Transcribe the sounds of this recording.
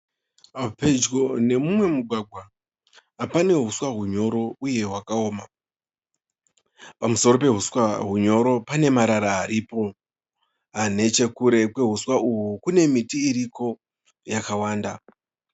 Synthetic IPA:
aped͡ʒɡone̞mumwe̞muɡʱwaɡʱwa | apane̞ɦuswaɦuɲo̞ɾo̞uje̞ɦwakao̞ːma | pamuso̞ro̞pe̞ɦuswaɦuɲo̞ɾo̞pane̞maɾaɾaɦaɾipo̞ | ɦane̞t͡ʃe̞kuɾe̞kwe̞ɦuswauɦukune̞mitiːɾiko̞ | jakawaːnda

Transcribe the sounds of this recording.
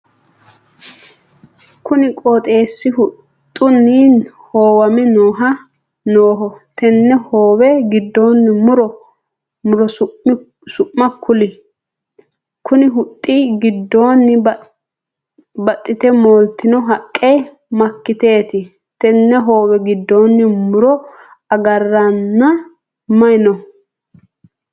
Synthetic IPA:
kʊnɪkʼoːt̪ʼe̞ːsːɪhʊ | t̪ʼːʊnːiːn | hoːwɐmɛnoːɦɐ | noːɦɔt̪ʰɛnːɛhoːwɛɡɪd̪ːo̞ːnːɪmʊɾɔ | mʊɾɔ | sʊʔmɐkʰʊlɪ | kʊnɪɦʊt̪ʼːiːɡɪd̪ːo̞ːnːɪ | bɐt̪ʼːɪt̪ɛmoːlt̪ɪnɔɦɐkʼːe | mɐkːɪt̪eːt̪ɪ | t̪ɛnːɛɦo̞ːwɛɡɪd̪ːo̞ːnːɪmʊɾɔ | ɐɡɐrːɐnːɐ | mɐjɪnɔ

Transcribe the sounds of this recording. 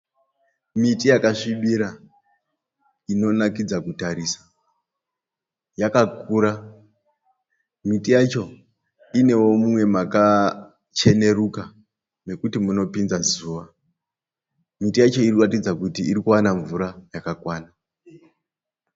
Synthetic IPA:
mitijakaʂiɓiɾa | ino̞nakid͡zakutaɾisḁ | jakakuːɾa | mitijat͡ʃo̞ | ine̞wo̞mumwe̞maka | t͡ʃe̞ne̞ruka | ne̞kutimuno̞pinzazuːʋa | mitijat͡ʃo̞irikuratid͡zakutiːɾikuwanaɱvuɾajakakwaːna

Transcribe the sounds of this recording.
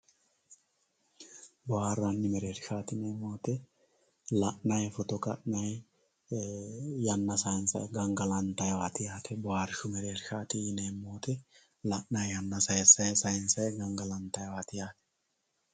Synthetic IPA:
bɔaːrːɐnːɪmɛɾeːɾʃaːt̪ɪneːmːoːt̪ɛ | lɐʔnɐjfɔt̪ɔkɐ̰ʔnɐj | jɐnːɐsɐjɪnsɐ̰jɡɐŋɡɐlɐnt̪ɐjwaːt̪ɪjaːt̪ʰɛbɔwaːɾɪʃʊmɛɾeːɾʃaːt̪ɪnemːoːt̪ɛ | lɐʔnɐjjɐnːɐsɐjɛsɐjsɐjɪnsɐjɛɡɐŋɡɐlɐnt̪ɐjwaːt̪ɪjaːt̪ɛ̥

